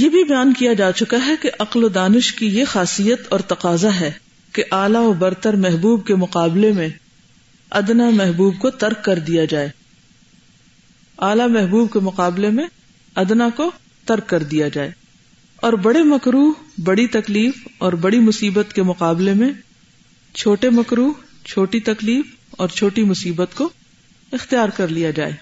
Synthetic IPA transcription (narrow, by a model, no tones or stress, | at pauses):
jeːbʱibɐjaːnkijad͡ʒaːt͡ʃʊkaɦɛkeʔɐqlod̪aːnɪʃkijexaːsiːjət̪ɔːɾt̪ɐqaːzaɦɛ | keʔaːlaɔːbɐɾt̪əɾmɛɦbuːb̚kemʊqaːblemẽ | ɐd̪namɛɦbuːb̚kot̪ɐɾkːɐɾd̪ijad͡ʒaːeː | aːlamɛɦbuːbkemʊqaːblemẽ | ɐd̪nako | t̪ɐɾkːɐɾd̪ijad͡ʒaːḛː | ɔːɾbɐɽemɐkɾuːɦbɐɽit̪ɐkliːfɔːɾbɐɽimʊsiːbət̪kemʊqaːblemẽ | t͡ʃʰoːʈemɐkɾuːɦ | t͡ʃʰoːʈit̪ɐkliːf | ɔːɾt͡ʃʰoːʈimʊsiːbət̪ko | ɪxt̪ijaːɾkɐɾlijad͡ʒa̰ːḛː